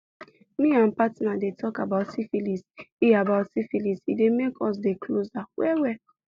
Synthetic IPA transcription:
mĩãnpatinadetʰɔkabaʊtsifilisiabaʊtsifilisidemekʰɔs̬dekʰlozawɛwɛ

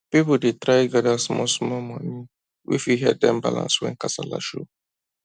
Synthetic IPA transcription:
pipudetɾaɪɡɛdasmɔsmɔmɔni | wʔḭfiɦɛddɛ̃mba̰lã̰nswɛ̰̃nkasala̰ʃo

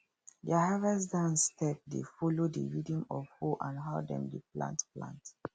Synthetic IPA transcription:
daɦavasdãnstʰɛp̚defɔlodə̰ɹidĩmɔvhuʔãnɦaʊdɛ̰̃mdiplã̰ntplã̰nt

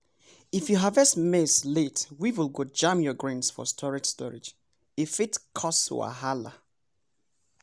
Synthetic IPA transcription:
ifjuɦavɛsmesletwiwilɡod͡ʒãmjɔɡɹẽnsfɔ̰stʰɔɹɪd͡ʒstʰɔɹɪ̰d͡ʒ | ifitkʰɔsṵa̰ɦala

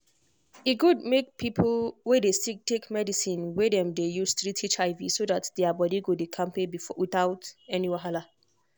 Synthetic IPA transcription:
iɡud̚mek̚pʰipʰlwedesitʰekmɛdisĩnwedɛ̃mdejustɹitʰit͡ʃaɪvisodatdɛabɔdiɡodekʰãmpebifɔwiθaʊtɛniwaɦala

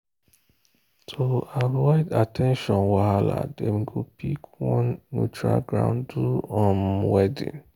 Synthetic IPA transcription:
tʰoavɔɪdatʰɛ̃nʃɔ̃nwahala̰demiɡopʰikwɔ̃nːutɹa̰lɡɹã̰ʊ̃nduɔ̃nwɛdḭ̃n

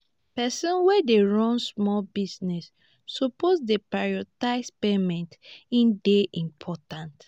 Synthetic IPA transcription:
pɛsɔ̃nwɛdeɹɔ̃nsmɔlbisnɛsː | oposdepɹajɔtaɪspemɛ̃ntĩndeʔĩmpʰɔtãnt

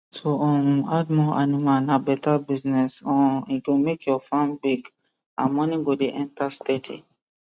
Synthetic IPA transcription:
soɔ̃madmɔanĩmanabɛtabiznɛsɔ̃ikõmekjɔfãmbiɡ | ã̰mɔ̃nĩɡodeʔɛ̃ntastɛtʰḛ

